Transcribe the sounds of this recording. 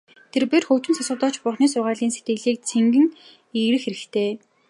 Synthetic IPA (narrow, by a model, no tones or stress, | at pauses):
t̪ʰerperxɵwt͡ɕɪ̆nsasʊːt̪ɔːt͡ɕpʊrχniːsʊrʁaːɮiːnset̪ɡɘ̆ɣɮiːk̚t͡sʰeŋɡɘ̆ŋ | iɣɾɘ̆xeɾɘ̆kt̪ʰeː